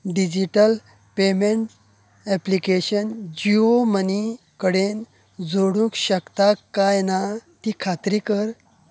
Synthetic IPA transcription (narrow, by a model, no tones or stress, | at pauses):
ɖid͡ʑiʈəl | pemeɳʈ | ɛplikeɕənd͡ʑioməni | kəɽen | d͡zoɽũŋkɕəkt̪akːajnat̪ikʰat̪ɾikəɾ